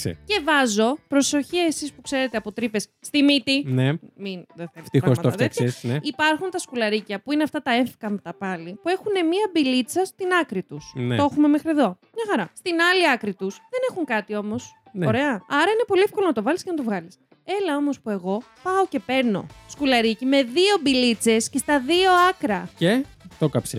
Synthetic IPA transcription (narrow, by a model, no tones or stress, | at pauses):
sḛce̞vɐzo̞pɾo̞so̞çiɐesispukse̞ɾe̞t̪eɐpo̞t̪ɾipe̞sːt̪imit̪ineminðeθelt̪iɾosɐt̪oɐðet̪çɐesneipɐɾxunt̪ɐskulɐɾicɐpuineɐft̪ɐt̪ɐeɱfkɐmet̪ɐpɐlipue̞xune̞miɐbilit͡sɐst̪inɐkɾit̪usnoxume̞mexɾie̞ðo̞mɲɐxɐɾɐst̪inɐliɐkɾit̪usðe̞ne̞xuŋkɐt̪io̞mo̞s | noɾe̞ɐɐɾɐine̞po̞liefko̞lonɐt̪ovɐliskcenɐt̪o̞vɣɐlis | e̞lɐo̞mospue̞ɣo̞ | pɐoce̞pe̞ɾno̞̰skulɐɾicime̞ðio̞bilit͡se̞sce̞st̪ɐðio̞ɐkɾɐcet̪okɐpse